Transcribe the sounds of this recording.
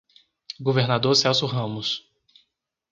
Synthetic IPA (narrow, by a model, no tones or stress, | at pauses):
ɡoveɾnad̪oɾsɛwsuɦɐ̃mʊs